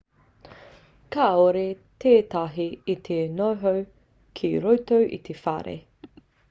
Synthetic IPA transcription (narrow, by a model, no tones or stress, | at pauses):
kaoɾe | teːtɐɦiit̪ʰenowɦow | kʰiɾowtowʔḭt̪ʰefɐ̰ɾḛ